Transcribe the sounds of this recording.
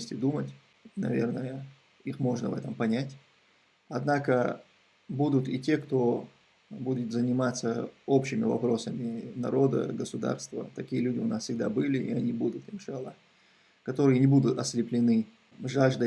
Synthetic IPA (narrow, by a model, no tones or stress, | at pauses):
sʲtʲɪd̪umətʲ | nɐ̰vʲe̞̰rnəjə | ixmo̞ʐnəvɛt̪əmpɐnʲætʲ | ɐd̪nakə | bud̪ʊt̪itʲe̞kt̪o̞ | budʲɪt̪zənʲɪmat̪səopɕɪmʲɪvɐ̰pɾo̞səmʲɪnɐ̰ɾo̞d̪ə̰ɡəsʊd̪a̰rst̪və̰t̪ɐkʲijəlʲudʲɪʊnasfsʲɪɡ̚d̪abɨlʲɪʔɪɐnʲibud̪ʊt̪ɪnʲʂalˠə | kɐt̪o̞ɾɨjənʲɪbud̪ʊt̪ɐsʲlʲɪplʲɪnɨ | ʐaʐd̪ɨ